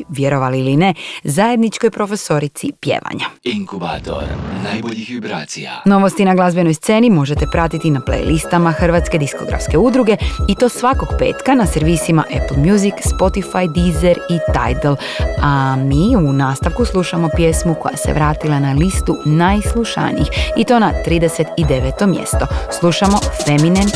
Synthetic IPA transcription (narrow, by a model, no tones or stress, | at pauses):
ʋjeɾo̞ʋaliiline̞zaje̞d̪nit͡ʃko̞jpɾo̞fe̞so̞ɾit̪sipje̞̰ːʋa̰ɲaiŋkubaːt̪o̰ɾnajboʎixʋibɾaːt̪sia̰no̞ʋost̪inaɡlˠazbjeno̞jst̪se̞ːnimo̞ʒe̞t̪e̞pɾat̪it̪inaplḛjlʔist̪amaxr̩ʋaːt̪ske̞d̪isko̞ɡɾa̰fske̞ud̪ɾuɡe̞it̪o̞ːsʋako̞ɡpe̞̰ːt̪kanaseɾʋiːsima̰ʔeplˠmjuzikspo̞t̪ifajd̪izeɾit̪a̰jt̪lˠ | amiːunaːst̪aʋkuslˠuʃamo̞pje̞smuko̞ja̰se̞̰ʋɾaːt̪ilˠanalist̪unajslˠuʃa̰nḭjixit̪o̞nat̪ɾiːd̪e̞se̞t̪id̪e̞ʋet̪o̞mjḛst̪o̞slˠuʃamo̞fe̞minen